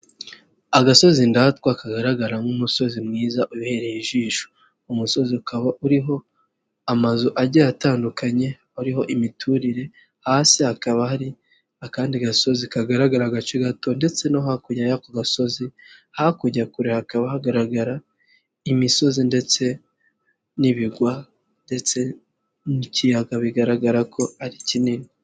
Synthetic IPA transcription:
aɡaso̞zindatkwakaɡaɾaɡaɾaŋɡumuso̞zimŋiːzaʔuβihe̞ɾejiʒiːʃo̥ | umuso̞ziukaβaʔuɾiɦo̞ | amazuʔaɾɟajataːndukaɲe̞ | uɾiɦo̞ʔimitʰuɾiɾe̞ | haːsihakaβahaɾi | akaːndiɡaso̞zikaɡaɾaɡaɾaɡat͡ʃiɡato̞nde̞t͡se̞noɦakuɟajakoɡaso̞zihakuɟakuɾehakaβahaɡaɾaɡaɾa | imiso̞zinde̞t͡se̞ | niβiɡwa | nde̞t͡se̞ | nicijaɡaβiɡaɾaɡaɾakʰo̞aɾicinini

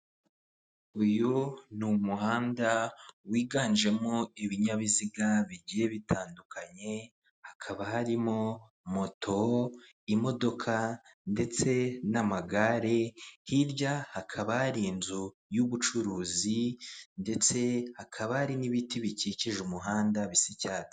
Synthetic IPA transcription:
ujunumuhaːndawiːɡaːnd͡ʒe̞moiβiɲaβiziɡaβiɟije̞βitʰaːndukʰaɲe̞ | hakʰaβahaɾimo̞ | mo̞tʰo̞ | imo̞do̞kʰande̞t͡se̞namaɡaɾe̞hiɾɟahakʰaβahaɾinzu | juβut͡ʃuɾuːzinde̞t͡se̞hakʰaβahaɾiniβitiβiciciʒumuɦaːndaβisicaːti̥

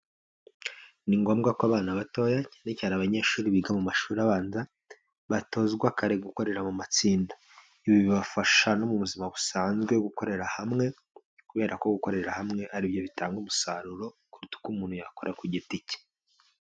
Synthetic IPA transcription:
niŋɡo̞ːmɡakaβaːnaβato̞ːjacenecaːɾaβaɲe̞ːʃuːɾiβiɡamumaʃuːɾaβaːnza | βato̞zɡwakaɾe̞ɡuko̞ɾe̞ɾamumat͡siːndḁ | iβiβiβafaʃano̞muβuzimaβusaːnzɡwe̞ɡuko̞ɾe̞ɾahamŋe̞ | kuβe̞ːɾʔako̞ɡuko̞ɾe̞ɾahamŋe̞ʔaɾibjo̞βitaːŋɡumusaɾuɾo̞kuɾitu̥kumuːnhujakoɾʔakuɟitice̥

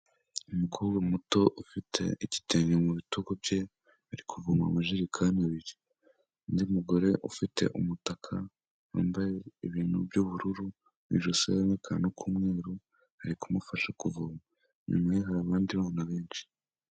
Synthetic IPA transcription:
umukʰoːbɡamuto̞ʔufitʰe̞̰iɟi̥teɲomuβituɡobje̞ | aɾikʰuvuma̰maʒeɾikʰanaβiɾi | ndimuɡo̞ɾe̞ʔufite̞̰ʔumutakʰa | wa̰ːmbajeiβiːn̥hṵbɟuβuɾuɾu | βḭʒosḛaβekʰanokʰuːmŋe̞ːɾu | haɾikumufaʃakuvuma | ɲṵmeɦaɾaβaːndiβaːnaβe̞ːnʃi̥

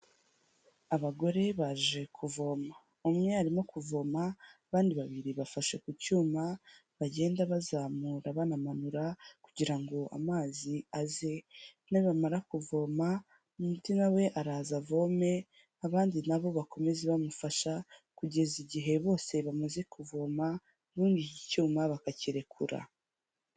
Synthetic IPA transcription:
aβaɡo̞ɾe̞βaʒe̞kʰuvo̞ma | umŋe̞aɾimo̞kuvo̞maβaːndiβaβiɾiβafaʃe̞kucuːmaβaɟe̞ːndaβazaːmuɾaβanamanuɾakuɟiɾaŋɡo̞ʔa̰maːziaze̞naβamaɾakuvo̞ma | umutinawe̞ʔaɾaːzavo̞me̞ | aβaːndinaβo̞βako̞me̞zeβamufaʃakuɟe̞ziɟiɦe̞βo̞ːse̞βamaze̞kuvo̞ma | βuːnɡicicuːmaβakaciɾe̞kʰuɾa̰

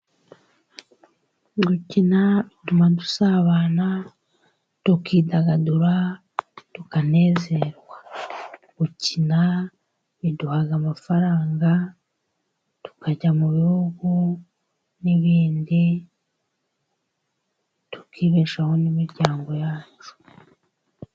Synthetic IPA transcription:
ɡucinaβitumadusaːβaːna | tukiːdaɡaduɾa | tukane̞ːze̞ɾwa | ɡ̥ucina | βiduhaɡamafaɾaːŋɡa | tu̥kaɟamuβihuɡu | niβiːndi | tu̥kiːβeʃaho̞nimiɾɟaːŋɡo̞jaːt͡ʃu̥

